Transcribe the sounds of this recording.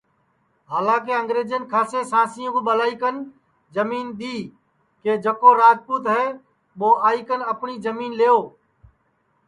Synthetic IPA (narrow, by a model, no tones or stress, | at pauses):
ɦaːlãːk̬eːəŋɡɾeːd͡ʒənkʰaːseːsãːsɪjõːkoɓəlaːiːkən | d͡ʒəmiːnd̪iː | keːd͡ʒəkoːɾaːd͡ʒpuːt̪ɦɛː | ɓoːʔaːikənəpniːd͡ʒəmiːnleːoː